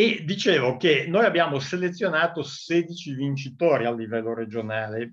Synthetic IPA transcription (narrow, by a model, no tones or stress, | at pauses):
ed̪it͡ʃeːvokenojabːjaːmoselet̪sːjonaːt̪oseːd̪it͡ʃivint͡ʃit̪oːɾialːivɛlːoɾed͡ʒonaːle